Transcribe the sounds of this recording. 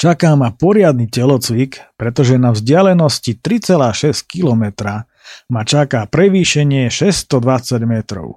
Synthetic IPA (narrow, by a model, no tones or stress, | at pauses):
t͡ʃakaːmapɔɾɪad̪nicɛlɔt͡sʋikpɾɛt̪ɔʒɛnavzɟɪalɛnɔscit̪ɾit͡sɛlaːʃɛsc̚kilɔmɛt̪ɾa | mat͡ʃakaːpɾɛʋiːʃɛɲɪɛʃɛst̪ɔd̪ʋat͡saɟmɛt̪ɾɔ̰ʊ